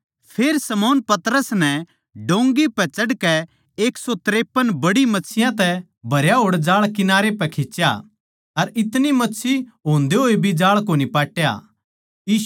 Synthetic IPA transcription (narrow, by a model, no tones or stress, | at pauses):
pʰeːɾsɐmɔːnpɐt̪ɾəsnɛ | ɖõːŋɡipɛt͡ʃɐɽkɛ | eːksɔt̪ɾeːpːənbɐɽimɐtːsʰɪjãt̪ɛ | bʱɐɾjaɦoːɽd͡ʒaːɭkɪnaːɾepɛkʰeːt͡ʃːja̰ | ɐɾɪt̪nimɐːsʰiɦoːnd̪eɦoːibʱid͡ʒaːɭkoːnipaːʈja̰ | iː